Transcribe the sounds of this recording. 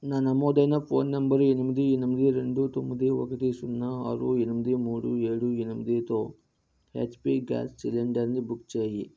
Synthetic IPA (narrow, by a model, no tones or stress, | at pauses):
naːnɐmoːd̪ɐjnɐpʰo̞ːnːɐmbɐɾuenumɐd̪ienumd̪iɾeɳɖut̪omːɐd̪iʋɐkɐt̪isunːaa̰ːɾuenumɐd̪imuːɽṵeːɽuenumɐd̪it̪oː | heːt͡ʃpiɡa̰ːssileɳɖɐɾnibukt͡ʃeːji